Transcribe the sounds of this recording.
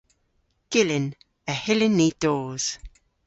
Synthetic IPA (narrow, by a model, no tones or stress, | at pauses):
ɡ̥ɪlɪn | əhɪlɪnːiːd̥oːz̥